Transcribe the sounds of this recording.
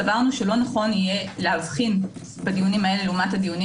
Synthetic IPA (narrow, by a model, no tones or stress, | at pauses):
avaʁnuʃe̞lo̞naχo̞nije̞leavχin | badijunimɐe̞le̞leumathadijuni